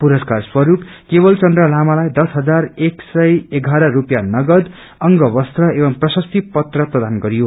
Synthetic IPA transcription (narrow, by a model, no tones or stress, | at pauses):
puɾʌskarswʌɾupkebʌlt͡sʌnd̪rʌlamalajd̪ʌsɦʌd͡zareksʌjeɡʱaɾʌrupjanʌɡʌd̪ | ʌŋɡʌbʌst̪rʌebʌmprʌsʌst̪ʰipʌt̪rʌprʌd̪anɡʌɾijo